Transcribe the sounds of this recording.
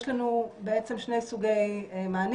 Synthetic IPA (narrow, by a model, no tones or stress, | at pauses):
ʃlanubeet͡se̞mʃne̞jsuɡejmaːn